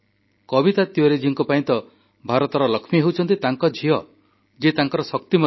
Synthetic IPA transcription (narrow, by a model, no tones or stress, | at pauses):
kɔbit̪at̪jɔɾed͡ʒiŋkɔpaĩnt̪ɔ | bʱaɾɔt̪ɔɾɔlɔkʰmiɦewt͡ʃʰɔnt̪it̪aŋkɔd͡ʒʱiɔ | d͡ʒet̪aŋkɔɾɔsɔkt̪imɔ